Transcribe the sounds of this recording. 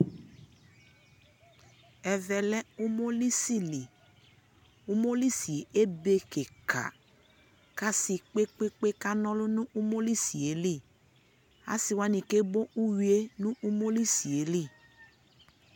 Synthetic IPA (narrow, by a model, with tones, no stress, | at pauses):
ɛ˨vɛ˨lɛ˦u˦mo˦li˦si˦li˨ | u˦mo˦li˦si˨e˨ʔe˦be˦ke˨kʰa̰˨ | ka˦si˨k͡pe˦k͡pe˦k͡pe˦ka˦nɔ̃˦lʊ˦nũ˦ʔu˦mo˦li˦si˨e˨li˦˨ | a̰˦si˨wa˦nĩ˨ke˦bo˦u˦wi˨e˦nũ˦ʔu˦mo˦li˦si˨e˨˦li˦˨